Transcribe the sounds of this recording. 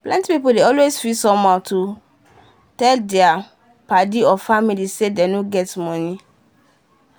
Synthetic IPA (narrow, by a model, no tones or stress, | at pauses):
plɛ̃ntipipuldeɔlwesfisɔ̃matʰu | tɛldɛa | padiɔfamilisedenoɡɛtmɔ̃ni